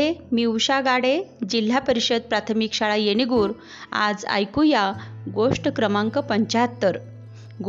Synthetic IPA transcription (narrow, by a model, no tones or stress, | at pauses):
emiwɕaɡaɽed͡ʑil̤ːapəɾiɕəd̪̚pɾat̪ʰəmikɕaɭajeɽ̃iɡuːɾ | a̰d͡za̰jkujaɡoʂʈəkɾəmãŋkəpəɲt͡ɕat̪ːəɾ | ɡ